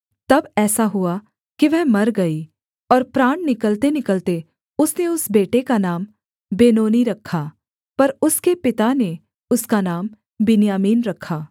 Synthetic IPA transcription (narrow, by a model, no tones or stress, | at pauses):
t̪ɐbɛːsaɦʊa | kiʋɛɦmɐɾɡɐi | ɔːɾpɾaːɽ̃nɪkəlt̪enɪkəlt̪e | ʊsneʊsbeːʈekanaːm | beːnoːniɾɐkʰːaː | pɐɾʊskepɪt̪ane | ʊskanaːm | bɪnjaːmiːnɾɐkʰːaː